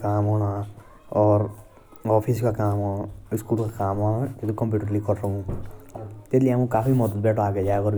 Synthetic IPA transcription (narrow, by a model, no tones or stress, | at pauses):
kaːmɦɔna | ɔːɾ | ɔːpʰiskakaːmɦɔaɪskulkakaːmɔnãket̪ukɔmpjuːʈəɾlikɔɾsɔɦũ | t̪et̪lijeaːmũkaːpʰimɔd̪ət̪̚bɛːʈʰoaːked͡ʒakɔɾ